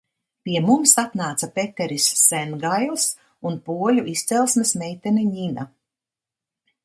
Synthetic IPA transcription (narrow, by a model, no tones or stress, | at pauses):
pʲiɛmumsat̪naːt̪sapet̪ʲɛɾisːɛnɡajlˠs | unpuɔlʲuʔist̪sɛlˠsmɛsmɛjt̪ɛnʲɛɲina